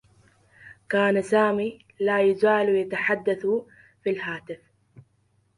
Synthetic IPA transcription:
kaːnasaːmi | lajazaːlwjat̪aħad̪ːaθ | filɦaːt̪ɪf

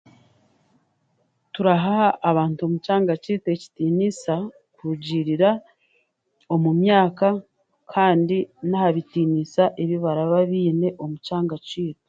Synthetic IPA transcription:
tuɾaɦaːβaːntuo̞mut͡ʃaːŋɡat͡ʃiːte̞ci̥tiːnisa | kuɟiɾiɾa | o̞mumjaːka | kʰaːndinahaβitiːnisaʔeβiβaɾaβaβiːne̞ʔo̞mut͡ʃaːŋɡaciːte̥

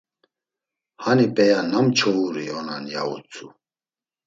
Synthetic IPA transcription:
hanipʼɛjanamt͡ʃʰɔuɾiɔnanja̰ṵt͡sʰʼu

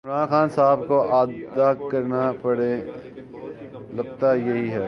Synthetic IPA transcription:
ɪ̃mɾaːnxaːnsaːbkoʔaːd̪d̪akɐɾnapɐɽẽ | lɐɡt̪ajeɦiɦɛː

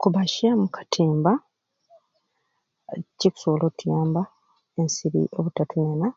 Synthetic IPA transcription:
kuβaʃamukʰḁtʰiːmba | ciku̥solotujaːmba | ensiɾḭʔoβutatunana

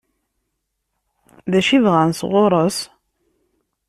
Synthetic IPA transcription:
ðæʃivʁænsʁʊɾˤəs

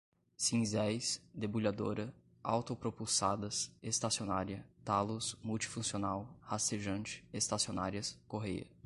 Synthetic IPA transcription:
sĩzɛjsd̪ebuʎad̪o̰ɾɐ | a̰wt̪opɾopuwsad̪ɐsest̪asionaɾiɐt̪alʊsmuwt͡ʃi̥fũsionawhast̪eʒɐ̃nt͡ʃɪ̥est̪asiona̰ɾiɐskoɦejɐ̰

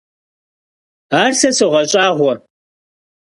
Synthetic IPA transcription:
aːrsɐsɨʁɐɕʼaːʁʷɔ

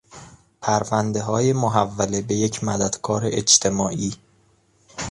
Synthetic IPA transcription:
pʰæɾvænd̪e̞ɦɒːjemoɦævːæle̞be̞jecʰmæd̪æd̪̥kʰɒːɾeʔed͡ʒt̪ʰe̞mɒːʔiː

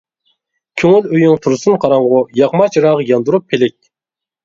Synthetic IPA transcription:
kʲʰøŋyløjyŋt̪ʰuɾsunqʰɑɾɑɴʁʊjɑχmɑt͡ʃʰɾɑːʁəjɑnd̪uɾupʰːelɪk̚ʲ

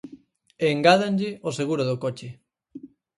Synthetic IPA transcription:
eŋɡaðanʎɪoseɣuɾʊðʊkot͡ʃɪ

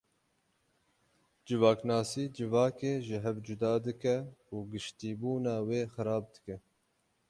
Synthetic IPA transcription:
d͡ʒɨvɑːknɑːsiːd͡ʒɨvɑːkeːʒɪɦɛvd͡ʒʊd̪ɑːd̪ɨkɛuːɡɨʃt̪iːbuːnɑːweːxɨɾɑːb̚d̪ɨkɛ

